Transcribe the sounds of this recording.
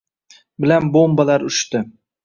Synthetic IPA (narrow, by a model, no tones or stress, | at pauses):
bɪlanbombalaɾʊʃt̪ɪ